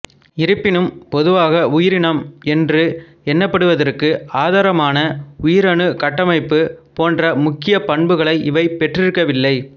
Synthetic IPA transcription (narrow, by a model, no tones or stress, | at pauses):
ɪɾɯpːɪnɯmpɔðɯʋaːɣɐʊjɪɾɪɳɐmɛndrɯ | ɛnːɐpːɐɽɯʋɐðɐrkɯaːðaːɾɐmaːnɐʊjɪɾɐɳɯkɐʈːɐmɐɪpːɯpoːndrɐmʊkːɪjɐpɐɳbɯɣɐɭɐɪʔɪʋɐɪpɛʈrɪɾɯkːɐʋɪlːɐɪ